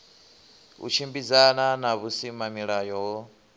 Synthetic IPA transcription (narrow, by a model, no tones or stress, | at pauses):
ṵt͡ʃʰimbid͡zananaβusimamiɺajɔɦɔ